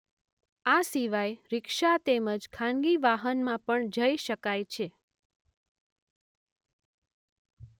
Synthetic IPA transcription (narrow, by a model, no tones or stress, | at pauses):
asiʋajɾɪkʃat̪eməd͡ʒkʰãnɡiʋaɦənmãpəɳd͡ʒəiʃəkajt͡ʃʰe